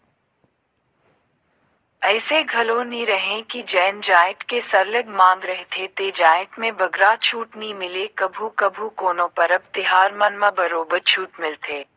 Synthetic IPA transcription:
ɛːseɡʱɐlõnĩɾɐɦẽkid͡ʒɛːnd͡ʒaːɪ̃ʈkesɐɾləɡmãːŋɡɾɐɦt̪ʰet̪eːd͡ʒaːɪʈmẽbɐɡɾaːt͡ʃʰuːʈnimɪlekɐbʱukɐbʱukoːnõpɐɾɐb̚t̪ɪɦaːɾmɐnmabɐɾoːbəɾt͡ʃʰuːʈmɪlt̪ʰeː

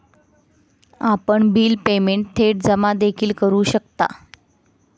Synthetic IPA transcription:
apəɳbiːlpemeɳʈt̪ʰeʈ̚d͡zəmad̪ekʰiːlkəɾuːɕəkt̪a̰

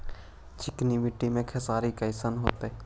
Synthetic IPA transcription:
t͡ʃʰɪknimɪʈːimẽkʰɛsaːɾikaɪsənɦo̰ːt̪e

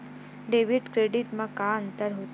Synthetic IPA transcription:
ɖeʋiɖkɾeɖiʈmãkaənt̪əɾɦo

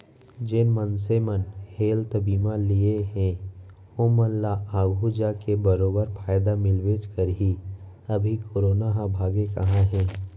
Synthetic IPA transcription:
d͡ʒɪnmənsemənheːlt̪əbiːmãlieɦɛ̃ | oːmənlaʔaːɡʱud͡ʒakebəɾoːbəɾpʰaːjd̪amɪlʋeːd͡ʒkəɾɦi | ɐbʱikʰoːɾoːnaɦãbʱaːɡekɐɦãɦɛ̃ː

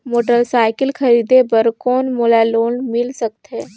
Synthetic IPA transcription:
moːʈəɾsaːɪkəlxɐɾiːd̪ebɐɾkɔːnmolaloːɳmɪlsɐk̚t̪ɦɛː

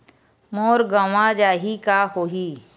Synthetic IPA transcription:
moːɾɡəʋad͡ʒaːɦikahoːɦiː

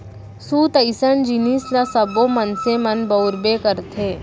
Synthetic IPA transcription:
suːt̪ɐɪsənd͡ʒiniːslasɐbomɐnsemɐnbɐʊɾbekəɾt̪ʰeː

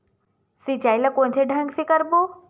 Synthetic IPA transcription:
sit͡ɕaːiləkõːɲt̪ʰeɖʱə̃ŋɡsikəɾbo

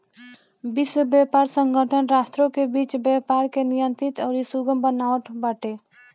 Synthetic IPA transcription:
biswəbjapaɾsəŋɡʱəʈʰənɾast̪ɾõkebiːt͡ʃbjapaɾkenijənt̪ɾit̪ɔːɾisuɡəmbənaʋəʈ̪baʈe

